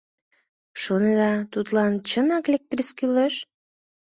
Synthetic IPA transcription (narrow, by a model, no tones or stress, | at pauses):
ʃoned̪ɑt̪ut̪lɑnt͡ɕənɑklʲek̚t̪riskyleʃ